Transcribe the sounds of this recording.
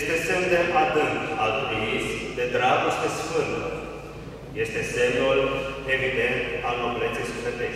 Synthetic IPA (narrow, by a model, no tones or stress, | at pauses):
st̪e̞semd̪e̞ʔad̪ɨŋkalt̪ɾivisd̪e̞d̪ɾaɡost̪esfɨnt̪ə̰ | je̞st̪e̞semulevid̪e̞nt̪aloplet̪sisfet̪e